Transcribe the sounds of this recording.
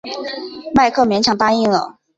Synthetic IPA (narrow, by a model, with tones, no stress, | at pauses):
ma˥˧ɪkʰɤ˥˩mjɛ˧˥nt͡ɕʰjɑ˨˩ŋt̪a˥i˥˩ŋlə̰˨˩